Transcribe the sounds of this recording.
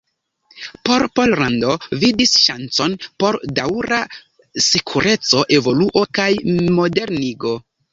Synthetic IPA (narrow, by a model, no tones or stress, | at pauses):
po̞ɾpo̞lɾando̞vidisʃa̰nt͡so̞npo̞ɾdawɾa | sikʰuɾʔe̞t͡so̞ʔe̞vo̞luʔo̞kajmo̞de̞ɾniɡo̞